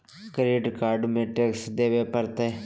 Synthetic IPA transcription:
kɾeːɖkaːɾɖmẽʈeksd̪eːʋepəɾt̪eː

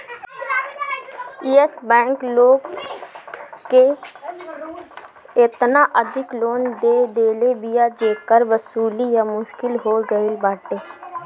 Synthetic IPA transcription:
iːesbɛ̃ːŋkloːɡ | ke | ɪt̪naʔəd̪ʱɪkloːnd̪eːd̪eːlebijad͡ʒeːkəɾʋəsuːlijamʊʃkɪlɦoːɡəɪlbaːʈeː

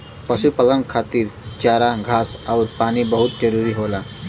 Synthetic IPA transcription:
pəsupalənkʰat̪iːɾt͡ɕaɾaɡʱasawɾpanibəɦut̪̚d͡ʑəɾuɾiɦola

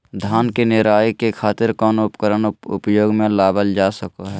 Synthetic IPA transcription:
d̪ʱaːnkenɪɾaːikekʰaːt̪ɪɾkɔːnʊpkəɾənʊpjoːɡmẽlaːbəld͡ʒaːsəkoɦɛː

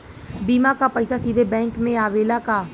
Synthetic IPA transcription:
biːmakapəɪsaːsiːd̪ʱebɛ̃ːŋkmẽaːʋeːlaːkaː

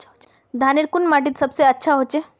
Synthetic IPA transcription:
d̪ʱaːnɪɾkʊnmaːʈ̬ɪt̪sɐbseɐtːʃʰaɦoːt͡ʃeː

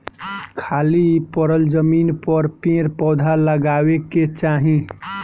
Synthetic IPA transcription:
kʰaːlipəɾəld͡ʒəmiːnpəɾpẽɾpɔd̪ʱaləɡaweket͡ʃaːɦĩ

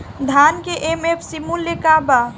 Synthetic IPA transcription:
d̪ʱaːnkeʔemepʰsimulːjekaba

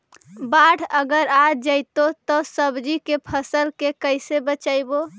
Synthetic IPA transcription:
baɽ̤ʰəɡəɾad͡ʒəɪt̪ot̪ɔsəbd͡ʒikepʰəsəlkekəɪsebət͡ʃaɪbo

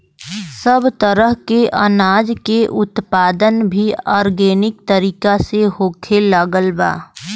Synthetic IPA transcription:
səbt̪əɾəɦkeʔə̰naːd͡ʒkeʔʊt̪paːd̪ənbʱiaːɾɡeːnɪk̚t̪əɾiːkaseɦoːkʰeləɡəlba̰ː

